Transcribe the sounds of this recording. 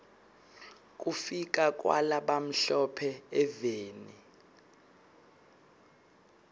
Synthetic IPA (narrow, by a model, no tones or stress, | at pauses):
kʼufik̬ʼak̬ʼwa̰laɓam̩ɬɔpʰɛɛveːni